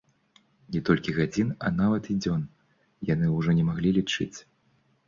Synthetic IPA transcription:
nʲɛt̪ɔlʲkʲiɣad͡zʲinɐ̰navɐt̪id͡zʲɔn | janɨuʐɔnʲɛmaɣlʲilʲit͡ʂɨ̰t͡sʲ

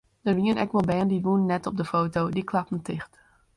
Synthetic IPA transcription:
d̥əriənɛkʋɔlˠbɛːndiʋunnːɛtɔp̚dəfoːtowdikʰlɑpən̩tʰɪxt

